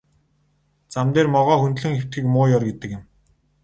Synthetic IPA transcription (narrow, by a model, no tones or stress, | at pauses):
t͡samt̪eːrmɔʁɔːxunt̪̆ɮɘ̆ŋxew̥t̪ɡĭːkmʊːjɔrɡet̪ɘ̆kjɪ̆m